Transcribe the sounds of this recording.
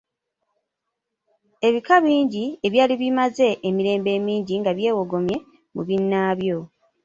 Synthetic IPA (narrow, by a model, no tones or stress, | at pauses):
e̞βikaβiːɲɟie̞βjaːliβimaze̞ʔemiɾe̞ːmbe̞ːmiːɲɟiŋɡaβje̞ːwo̞ɡo̞mje̞ | mṵβinːaːβjo̞